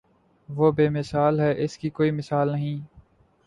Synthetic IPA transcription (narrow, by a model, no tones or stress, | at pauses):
ʋoːbeːmɪsaːlɦɛːʔɪskikoːimɪsaːlnəɦĩː